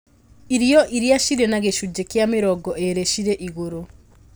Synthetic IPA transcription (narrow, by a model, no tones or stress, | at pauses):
iɾiɔʔiɾjaʃiɾenaɣeʃud͡ʒekeameɾɔɡɔʔeɾeʃiɾeʔiɣoɾo